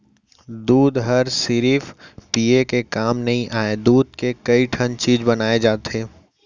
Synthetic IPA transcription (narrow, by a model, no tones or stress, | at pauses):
d̪uːd̪ɦɐɾsɪɾiːfpiekekaːmnɐɦĩʔaːed̪uːd̪̚kekɐiʈʰɐnt͡ʃiːd͡ʒbɐnaːed͡ʒaːt̪eː